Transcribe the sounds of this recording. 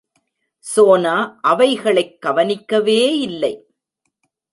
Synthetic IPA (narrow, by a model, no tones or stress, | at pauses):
soːnaːʔɐʋɐɪɣɐɭɐɪkːɐʋɐnɪkːɐʋeːɪlːɐɪ